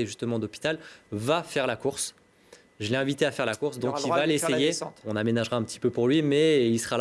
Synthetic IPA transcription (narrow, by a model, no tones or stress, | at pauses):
eʒyst̪əmɑ̃d̪ɔpi̥t̪alvafɛʁlakuʁs | ʒəlɛɛ̃vit̪eafɛʁlakuʁsd̪ɔ̃kivalesejeesɔ̃namenaʒʁaɛ̃pət̪i̥pøpuʁlɥimɛilsəʁal